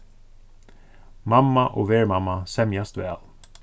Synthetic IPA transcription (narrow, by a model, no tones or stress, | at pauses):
mɑmːɑʔoːʋeːɹmɑmɑsɛmjɑst̪ʋæːl